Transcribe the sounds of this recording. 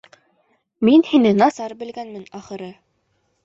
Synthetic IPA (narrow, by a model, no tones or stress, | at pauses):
minhinɘnɑsɑɾbɘ̆lɡænmɘnɑχɤ̆ɾɤ